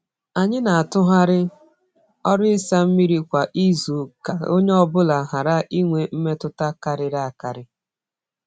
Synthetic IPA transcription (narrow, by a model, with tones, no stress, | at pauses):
a˨ɲɪ˦na˨a˨tʊ˦ɦa˦ɾɪ˦ | ɔ˦ɾʊ˦ɪ˦sa˦m̩˦mi˦ɾi˦kʷa˨ʔi˦zu˨ka˨o˦ɲe˦ɔ˦bʊ˦la˨ɦa˨ɾa˦ʔi˦ŋʷe˨m̩˦me˦tʊ˦ta˦ka˨ɾɪ˨ɾa˦a˨ka˨ɾɪ˦